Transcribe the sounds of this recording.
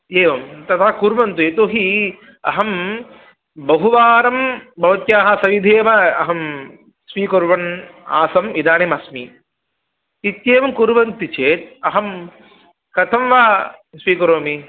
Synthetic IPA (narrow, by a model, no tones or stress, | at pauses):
eːʋɐmt̪ɐt̪ʰakuɾʋɐnt̪ueːt̪oːɦi | ɐ̰ɦɐm | bɐɦuʋaːɾɐmbɐʋɐt̪jaːɦɐsɐʋid̪ʱeːʋɐɐ̰ɦɐm | sʋiːkɐɾʋɐna̰ːsɐmid̪aːnemɐsmi | it̪jeːʋɐmkuɾʋɐnt̪it͡ʃeːt̪̚ɐɦɐm | kɐt̪ʰɐmʋaːsʋiːkɐɾoːmi